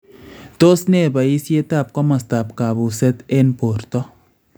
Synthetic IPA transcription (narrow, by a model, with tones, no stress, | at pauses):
to˦sne˦˨ba˨i˦sje˦ta˦˨p̚kɔ˦ma˨sta˨pka˨bu˨sɛ˦t̪e˦npo˨ɾtɔ˦